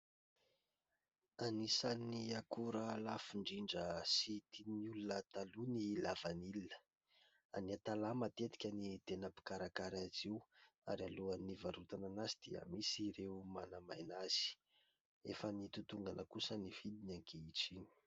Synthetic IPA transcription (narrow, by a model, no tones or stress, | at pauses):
anisaniakuɾəlafiɳɖ͡ʐiɳɖ͡ʐəsit̪iniulunət̪alunilav̥anilinə̥ | aniat̪alamat̪et̪i̥kʲənit̪enapi̥kaɾakaɾaziwaɾialuanivaɾut̪ananazid̪̥iə̰misiɾeumanamajnaz̥i̥ | efənit̪ut̪uŋɡanʔəkusəniv̥id̪inaŋkʰeiʈ͡ʂini̥